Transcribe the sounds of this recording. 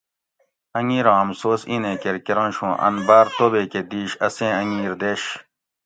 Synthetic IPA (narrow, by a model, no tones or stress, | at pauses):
ɐŋiːɾɑ̃ːɐmsoːsinẽːkeɾkeɾɑ̃nɕũːʔɐ̰nbaːɾt̪obeːked̪iːɕɐsẽːɐŋiːɾd̪eɕ